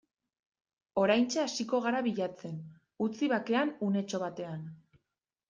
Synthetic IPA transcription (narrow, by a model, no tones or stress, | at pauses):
o̞ɾajnt͡ʃeasiko̞ɣ̞aɾaβiʎat͡se̞n | ut͡siβak̪e̞anune̞t͡ʃo̞β̞at̪e̞an